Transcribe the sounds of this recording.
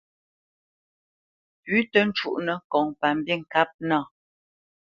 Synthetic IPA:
pʉ˨˦tə˦n̩˦t͡ʃu˦ʔnə˨kɔ˨ŋpa˨m̩˨bi˦˨ŋ̩˨ka˦p̚na˦˨

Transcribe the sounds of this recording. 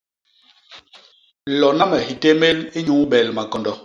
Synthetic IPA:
lɔ˨na˦mɛ˨ɦi˨te˦me˦li˦ɲu˨˦bɛ˨lma˨kɔ˨ndɔ˨

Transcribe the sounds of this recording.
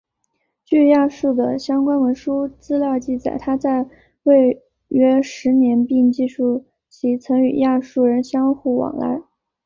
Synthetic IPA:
t͡ɕy˥˧ja˥˧ʂu˥˩d̪ə˩ɕjɑ˥ŋkwa˥nwə˧˥nʂu˥t͡sɹ̩˥ljɑ˥˧ʊt͡ɕi˥˩t͡sa˨˩ɪt̪ʰa˥t͡sa˥˧ɪ | we˥˩ɪ | ɥɛ˥ʂɻ̩˧˥njɛ˧˥npi˥˧ŋt͡ɕi˥˧ʂu˥˩ | t͡ɕʰi˧˥t͡sʰɤ˧˥ŋy˨˩ja˥˧ʂu˥˩ɻə˧˥nɕjɑ˥ŋxu˥˩wɑ̰˨˩ŋla̰˧˥

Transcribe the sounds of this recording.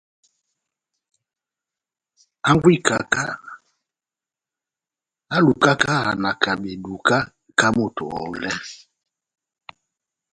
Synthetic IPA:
a˦ŋɡwi˦˨ka˨ka˦ | a˦lu˨ka˦ka˦a˨na˨ka˨ɓe˨du˨ka˦ | ka˦mo˨tɔ̰˨ɔ̰˨lɛ˦

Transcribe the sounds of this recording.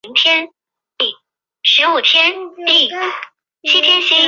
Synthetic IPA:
ŋt̪ʰjɛ˥n | i˥˩ | ʂɻ̩˧˥u˨˩t̪ʰjɛ˥ni˥˩ | t͡ɕʰi˥t̪ʰjɛ˥nɕi˥

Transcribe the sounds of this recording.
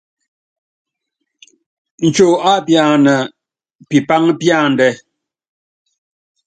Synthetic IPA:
n̩˨t͡ʃo˨a˦pja˨nə˨ | pi˨pa˦ŋpja˦˨n̩˨dɛ˦

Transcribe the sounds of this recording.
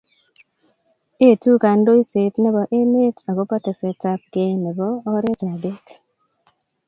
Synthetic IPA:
e˦˨tu˦ka˨ndo˦i˦se˨tnɛ˦bɔ˨ʔe˦m˦e˦ta˨ɡo˦pɔ˦te˨sɛ˨ta˦p̚ɡe˦nɛ˨bɔː˦ɾe˦ta˨de˦k

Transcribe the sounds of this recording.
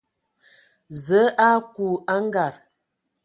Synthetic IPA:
zə˨˦a˦ku˨a˦ŋ˦ɡa˨ɾ

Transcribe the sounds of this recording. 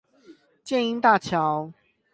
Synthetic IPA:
t͡ɕjɛ˥˨ni˧˥nt̪a˥˨t͡ɕʰjɑ˨˦ʊ

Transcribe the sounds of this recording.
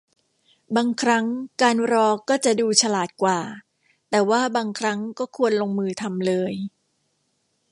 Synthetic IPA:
baː˧ŋkʰɾa˦˥ŋkaː˧nɾɔː˧kɔː˥˩t͡ɕa˨˩duː˧t͡ɕʰa˧laː˨˩t̪̚kwaː˨˩ | t̪ɛː˨˩waː˥˩baː˧ŋkʰɾa˦˥ŋkɔː˥˩kʰu˧ənloː˧ŋmɯː˧t̪ʰa˧mlɤː˧j

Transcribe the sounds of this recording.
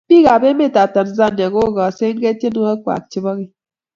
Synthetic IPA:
bi˦ɣa˨be˦me˦˨ta˨ta˨n˦za˦˨n˨e˨ɣo˦ɣɔ˨se˦ŋ̩˦ɡe˦tje˦nu˦a˦kʷa̰˨k̚t͡ʃi˦bɔ˦ɣi˦

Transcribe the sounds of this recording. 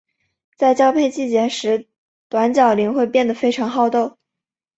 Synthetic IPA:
t͡sa˥˩ɪt͡ɕjɑ˥ʊpʰe˥˧ɪt͡ɕi˥˩t͡ɕjɛ˧˥nʂɻ̩˧˥ | t̪wa˧˥nt͡ɕjɑ˨˩ʊli˧˥ŋxwe˥˧ɪpjɛ˥˩nd̪ə˩fe˥ɪʈ͡ʂʰɑ˧˥ŋxɑ˥˧ʊt̪o˥˩ʊ

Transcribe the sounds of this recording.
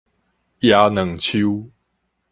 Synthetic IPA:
ja˨˦nə˨˦ŋt͡ɕʰu˦

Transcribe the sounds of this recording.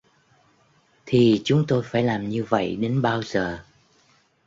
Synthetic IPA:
t̪ʰi˨˩t͡ɕʊ˨˦ŋ͡mt̪o˧jfaː˧˩jlaː˨˩mɲɨ˧və̰˧˨jɗe˨˦nɓaː˧wzəː˨˩

